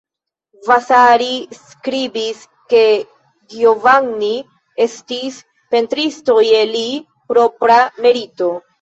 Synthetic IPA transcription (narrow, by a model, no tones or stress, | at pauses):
vasaɾis | kɾibis | ke̞ | ɡiovaŋni | e̞stis | pe̞ntɾisto̞je̞li | pɾo̞pɾame̞ɾito̞